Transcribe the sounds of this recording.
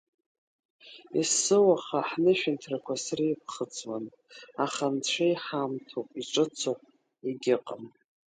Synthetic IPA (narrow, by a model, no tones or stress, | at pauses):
isːɨwaχaħnɨʃᶣɪntʰrakʷʰasriip̚ʰχət͡sʼwan | aχant͡ɕʷʰejħamtʰopʼiʈ͡ʂʷʼɨt͡sʰopʼ | iɡʲɪqʼəm